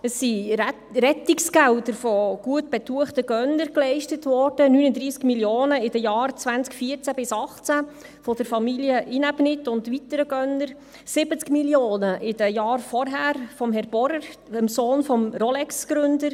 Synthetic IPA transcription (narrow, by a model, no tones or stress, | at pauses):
əsi | ɾɛtiksɡæwdəɾfɔɡ̥uətb̥ɛt̪uəχtəɡ̥œnəɾklɛɪʃtətʋɔɾd̥ənyːnədɾiːskmiljoːnəɪd̥əjɑːɾt͡sʋænt͡skfiəɾt͡sæb̥ɪsɑχt͡sæ | fɔd̥əɾfɑmiliəʔinabnɪtːʊndʋitəɾəɡ̥œnəɾ | sɪb̥ət͡skmiljoːnəʔɪdəjɑːɾfɔɾɦæːɾfɔmɦɛɾb̥ɔɾəɾəmsoːnfɔmrɔlɛksɡ̥ɾʏndəɾ